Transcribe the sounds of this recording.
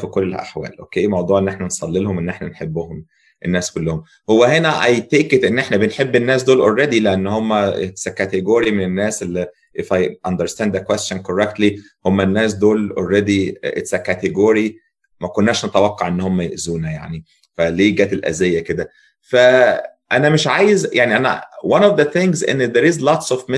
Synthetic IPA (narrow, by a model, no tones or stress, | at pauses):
fikolːʔa̰ħwæ̰ːlʔo̰ːkeːmɑwd̪ˤuːʕenːeħnænsˤɑlːelhomʔenːʔeħnænħebːʊhom | ʔenːæːskolːohom | howːæhenæʔɑjt̪eːket̪ʔenːʔeħnæbenħebːenːæːs̬d̪oːlʔorˤːed̪ileʔænːhomːæʔet̪sækːæt̪eɡoːɾimenenːæːsʔelːi | ʔefajʔɑnd̪eɾst̪ænd̪ːækwest̪ʃænkoɾek̚t̪li | homːænːæːs̬d̪oːlo̰lːed̪iʔḛt̪sækæt̪eɡoːɾi | mækonːæːʃnot̪æwɑqːɑʕʔenːhomːæjḛʔzuːnæja̰ʕni | fæleːɡæːt̪elʔæ̰zejːæked̪æ | fæʔænæmeʃʕaːjezjaʕniʔænæ̰wanɔfd̪æθẽŋɡzḛnːd̪eɾizlɑt̪sɔfme